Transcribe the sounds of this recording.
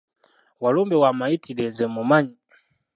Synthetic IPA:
walɔmbɛwamaitʰilɛzɛmumaɲi

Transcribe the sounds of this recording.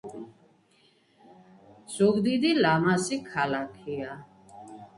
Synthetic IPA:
z̥uɡd̪id̪ilamasikʰalakʰia

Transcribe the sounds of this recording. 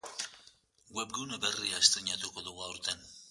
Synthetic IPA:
ɡwep̚ɡewneberiaːst̪ɾiɲat̪uko̞ðuɣuaoɾt̪en

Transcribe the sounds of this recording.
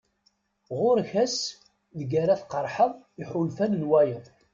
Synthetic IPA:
ʁʊɾçæs | ðəɡæɾæθqəɾˤħəðˤ | iħulfænənwæjəðˤ

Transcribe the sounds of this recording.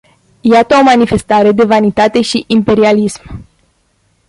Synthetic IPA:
jat̪əomanife̞st̪aɾe̞d̪e̞vanit̪at̪e̞ʃiʔimpe̞ɾialism

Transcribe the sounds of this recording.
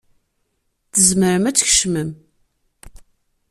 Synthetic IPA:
θəzməɾəmæt͡sːçə̥ʃməm

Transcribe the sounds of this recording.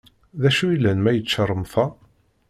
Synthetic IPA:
ðæʃuilːænmæjət͡sːt͡ʃːərˤːəmθæ

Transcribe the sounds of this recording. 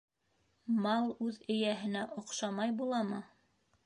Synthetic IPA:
mɑlˠʉðɘ̆jæɦɘ̆næʔŏqʃɑmɑjbulˠɑmɤ

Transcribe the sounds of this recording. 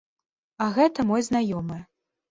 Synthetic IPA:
ɐɣɛt̪ɐmɔjznajɔmɨj

